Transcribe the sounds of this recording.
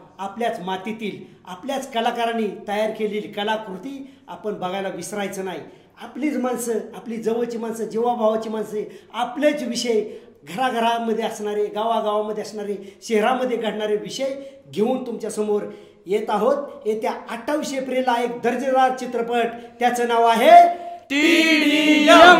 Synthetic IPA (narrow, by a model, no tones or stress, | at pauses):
apljat͡smat̪it̪iːlapljat͡skəlakaɾanit̪əjaɾkeliːlkəlakɾut̪iːa̰pəɳbəɡajlaʋisɾajt͡sənai | apliːt͡smansəapliːd͡zəʋət͡ɕiːmansəd͡ʑeʋabʱaʋat͡ɕiːmanseaplet͡sʋiɕəj | ɡʱəɾaɡʱəɾaməd̪ʱːjeasɳaɾeɡaʋaɡaʋaməd̪ʱjeasɳaɾeɕeɦɾaməd̪ʱːjeɡʱəʈɳaɾeʋiɕəj | ɡʱeuːnt̪umt͡ɕjasəmoɾ | jet̪aɦot̪ɦet̪jaːʈʰːaʋiɕəjpɾelaek̚d̪əɾd͡ʑəɾad̪̚t͡ɕit̪ɾəpəʈt̪jat͡sənaʋaɦet̪i